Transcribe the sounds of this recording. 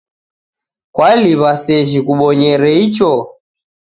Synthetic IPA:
kwaliβasɛʒikuɓɔɲɛɾɛit͡ʃɔ

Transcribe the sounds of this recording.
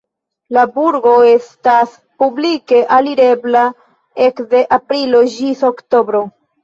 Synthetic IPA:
labuɾɡo̞e̞stas | publike̞ʔaliɾe̞bla | e̞kde̞ʔapɾilo̞ʒiso̞ktobɾo̞

